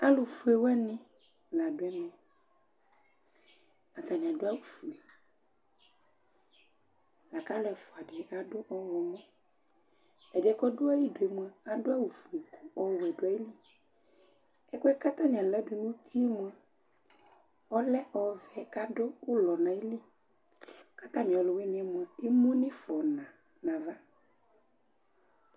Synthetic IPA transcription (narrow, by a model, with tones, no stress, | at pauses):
a˦lo˨fu˦e˨wɛ˦nɪ̃˦ | la˨ɖo˨˦ɛ˦mɛ̃˨ | a˨t̪a˨nĩ˨ã˨do˦a˦wu˨fu˨e˨ | la˨ka˦lɛ˨fɔ˨a˨ɖɛ˨a˨ɖo˦ʔɔ˦wɔ˨mɔ̃˦ | ɛ˨ɖɛ˨˦kɔ˦do˦a˦ji˦do˨e˨mũ˦a˨a˨ɖo˦a˦wu˨fu˨e˨ku˦ɔ˨wɛ˨ɖo˨˦a˨˦e˦li˦ | ɛ˦kɛ˦ka˦t̪ã˦ɲĩ˨a˨lɛ˦do˨nũ˦t̪ʰi˦ɛ˦mũ˨a˨ | ɔ˦lɛ˦ʔɔ˨vɛ˨˦ka˦do˦wo˦lɔ˨nã˨e˦li˦ | ka˦t̪ã˦mĩ˨ɔ˨lɔ˨we˦ɲ˨ɛ˦mũ˨a˨e˦mũ˦nẽ˦fɔ˨nã˨ | nã˨va˦